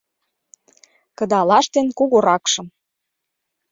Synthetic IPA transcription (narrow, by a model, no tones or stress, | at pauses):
kə̆d̪ɑlɑʃt̪enkuɣoɾɑkʃɤ̆m